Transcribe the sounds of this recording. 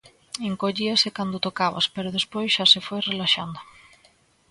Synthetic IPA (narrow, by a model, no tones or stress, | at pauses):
eŋkoʎiasekand̪ot̪okaβa̰speɾoðespojsʃasefojrelaʃa̰nd̪ʊ